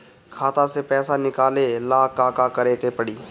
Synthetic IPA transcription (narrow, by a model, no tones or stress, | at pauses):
kʰaːt̪asepɛːsanɪkaːlelaːkaːkakəɾeːkepəɽiː